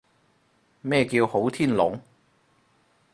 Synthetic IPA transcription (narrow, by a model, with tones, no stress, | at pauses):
mɛː˥˧kiː˧who˨˥wt̪ʰiː˥nlʊ̰˨˥ŋ